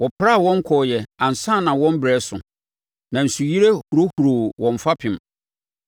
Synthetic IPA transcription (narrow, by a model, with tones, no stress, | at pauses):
wɔ˨pʰɾa˦˨wɔ̃˦ŋ˦kʰɔ˨jɛ˨ã˨n˨sã˦˨nã˨wɔ̃˦m˦bɾɛ˨˦sʊ˨ | nã˨n̩˨su˨ji˦ɾe˦hu˨ɾo˦hu˨ɾo˨wɔ̃˨ɱ˨fa˦pʰɪ̃˨m